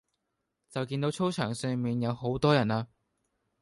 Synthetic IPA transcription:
t͡sɐ˨wkiː˧nt̪o˨˥wt͡ʃʰo˥wt͡ʃʰœː˨˩ŋsœː˧ŋmiː˨njɐ˨˧wɦo˨˥wt̪ɔː˥jɐ˨˩naː˧

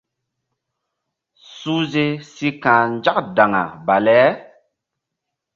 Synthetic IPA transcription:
su˦ze˦si˦kãː˨n˦d͡ʒa˦kda˨ŋa̰˨ba˨lɛ˨˦

